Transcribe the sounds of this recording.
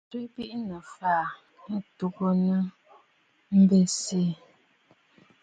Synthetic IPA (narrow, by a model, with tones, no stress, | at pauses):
twi˦bi˦ʔnə˨faː˦˨ | nə˦tu˦ɡo˦nə˦ | m̩˦be˨seː˦˨